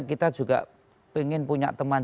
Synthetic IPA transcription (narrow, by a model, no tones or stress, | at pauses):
kit̪ad̥ʒ̥uɡa̰ʔ | peŋɪnpuɲa̰ʔt̪əman